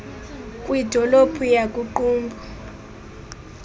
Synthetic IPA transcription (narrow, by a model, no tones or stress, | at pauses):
kʼwid̥ʱɔlob̥ʰʱujakʼuǃuːmbʱɔ